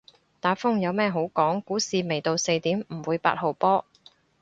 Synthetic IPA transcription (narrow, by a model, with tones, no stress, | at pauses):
t̪aː˨˥fʊ˥ŋjɐ˨˧wmɛː˥˧ɦo˨˥wkɔː˨˥ŋkuː˨˥siː˨me˨˩jt̪o˨˧wse˧jt̪iː˨˥mm̩˨˩wuː˨˧jpa̰ː˧t̚ho˨˩wpɔː˥